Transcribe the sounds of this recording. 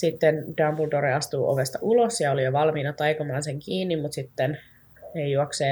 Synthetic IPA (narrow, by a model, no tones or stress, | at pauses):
sit̪ːendɑmbuldoɾiɑst̪uːʔo̰ʋest̪ɑʔulo̞sjɑolijoʋɑlmiːnɑt̪ɑjkomɑːnseŋkiːnːimmut̪sit̪ːen | ejjuokseː